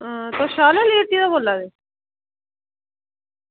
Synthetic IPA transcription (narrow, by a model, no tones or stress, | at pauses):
t̪oʃaːlaːliːəʈ̪ːiːd̪aːboːlːaːd̪eː